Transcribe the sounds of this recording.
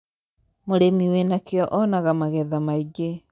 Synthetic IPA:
moɾemiwenakeɔʔɔnaɣamaɣɛðamaiɡe

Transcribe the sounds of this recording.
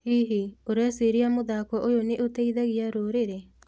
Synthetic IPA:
hiɦioɾɛsiɾiamʊðakɔʔojoneʔot̪eiðaɣijaɾoːɾeɾe

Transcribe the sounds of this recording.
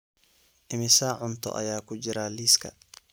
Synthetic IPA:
ʔɪmɪsaʕʊnt̪ʰɔ̰ʔɐ̰jaːkʰʊd͡ʒɪɾaːliːskʰɐ̰

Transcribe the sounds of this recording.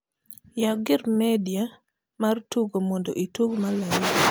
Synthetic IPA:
jaɡɪɾmɛdia | martuɡomɔndo̰ʔituɡmalali

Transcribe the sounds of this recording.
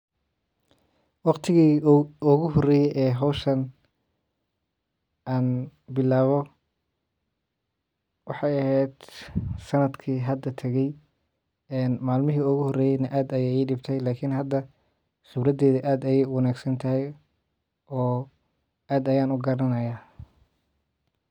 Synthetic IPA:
wɑqt̪ʰɪɣiːʊɣʊɦɔrɛːjɛjʔɛːɦɔwʃɐn | ʔaːnbɪlaːβɔ | wɑħɑjɐhɛd̪̥sɐnɐd̪kʰiːɦɐd̪ɐt̪ʰɐɣɛj | ɛːnmaːlmɪɦiːʊɣʊhɔrɛːjɛjnɐʔaːd̪ɐjɛːiːɖɪb̚t̪ʰɛjlaːkʰɪnɦɐd̪ːɐ | χɪbrɐd̪ɛːðɐʔaːd̪ɐjɛjʊwɑnaːɡsɐnt̪ʰɐɦɛj | ɔː | ʔaːd̪ɐjaːnʊɡɐɾɐnɐjaː

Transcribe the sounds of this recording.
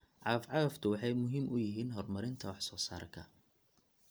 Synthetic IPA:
ʕɑfʕɑɣɐft̪ʰʊwɑħɑjmʊɦiːmʔʊjɪɦiːnɦɔrmɐɾɪnt̪ʰɐwɑħsɔːsaːɾkʰɐ̰

